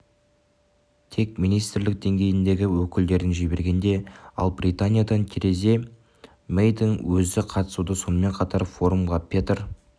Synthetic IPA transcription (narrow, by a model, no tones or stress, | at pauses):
t̪ʰe̞k̚mijnijst̪ɾlɪk̚d̪e̞ŋɡʲe̞jɪnd̪e̞ɡʲɪwɵkʲɪld̪e̞ɾɪnʒibe̞ɾɡʲe̞nd̪e̞ɑ̰lˠbɾit̪anʲijad̪ɑnt̪ʲʰeɾe̞ze̞ | mejd̪ɪŋwɵzɪqʰɑt̪ə̥sud̪əso̞nəme̞ɴqʰɑt̪ɑɾfo̞ɾumʁɑpʰʲet̪əɾ